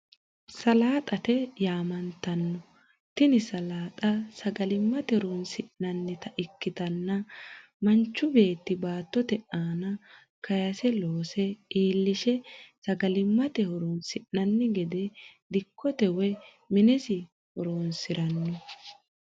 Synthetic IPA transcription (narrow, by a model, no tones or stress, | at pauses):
sɐlaːt̪ʼɐt̪ɛjaːmɐnt̪ːɐnːɔ | t̪ɪnɪsɐlaːt̪ʼɐsɐɡɐlɪmːɐt̪ɛɾonsɪʔnɐnːɪt̪ɐʔɪkːɪt̪ɐnːɐ | mɐnt͡ʃːʊbe̞ːt̪ːɪbaːt̪ːɔt̪ɛʔaːnɐ | kɐjɐsɛloːsɛiːlːɪʃɛsɐɡɐlɪmːɐt̪ɛhɔɾɔnsɪʔnɐnːɪɡɛd̪ɛd̪ɪkʰːɔt̪ɛwɛ | mɪnɛsɪ | hɔɾoːnsɪɾɐnːɔ